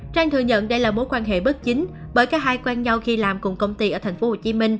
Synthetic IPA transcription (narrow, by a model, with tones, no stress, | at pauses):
t͡ɕaː˧ŋt̪ʰɨ˨˩əŋɲə̰˧˨nɗə˧jlaː˨˩mo˨˦jkwaː˧nɦḛ˧˨ɓə˦˥t̚t͡ɕï˨˦ŋ̟ | ɓəː˨˩jkaː˦˥k̚haː˧jkwaː˧nɲa˧wxi˧laː˨˩mkʊ˨˩ŋ͡mkə˧wŋ͡mt̪i˧ʔəː˧˩t̪ʰŋ̟fo˨˦ho˨˩t͡ɕi˨˦mï˧ŋ̟